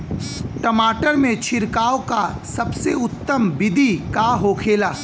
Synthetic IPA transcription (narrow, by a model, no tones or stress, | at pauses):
ʈɐmaːʈəɾmẽt͡ʃʰɪɾkaːokasɐbseʊt̪ːəmbɪd̪ʱikaɦoːkʰeːlaː